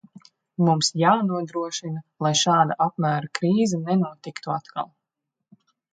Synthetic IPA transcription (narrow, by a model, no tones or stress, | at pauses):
mumsjaːnuɔd̪ɾuɔʃinalˠajʃɑːd̪aʔapmæːɾakɾiːzɛnɛnuɔt̪ikt̪uat̪kʰa̰lˠ